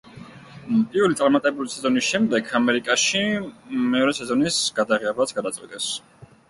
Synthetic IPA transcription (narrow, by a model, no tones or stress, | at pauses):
pʼiɾvɛlit̪sʼaɾmat̪ʼɛbulisɛzɔnisʃɛmd̪ɛkʰamɛɾikʼaʃimɛɔɾɛsɛzɔnisɡad̪aʁiabat̪sɡad̪at̪sʼqwit̪ʼɛs